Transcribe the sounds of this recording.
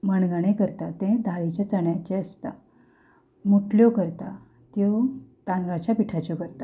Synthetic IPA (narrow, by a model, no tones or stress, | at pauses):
məɳɡəɽ̃ekəɾt̪at̪ẽd̪ʱaɭit͡ɕet͡səɳjat͡ɕeəst̪a | muʈljokəɾt̪a | t̪jot̪ãnɡat͡ɕjapiʈʰat͡ɕjokəɾt̪a